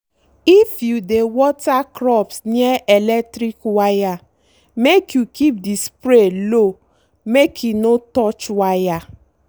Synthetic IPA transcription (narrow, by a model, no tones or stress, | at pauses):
ifjudewɔtakɾɔpsnieʔelɛk̚tɾikwaja | mekjukʰip̚dispɾelo | mekʰunotɔt͡ʃwaja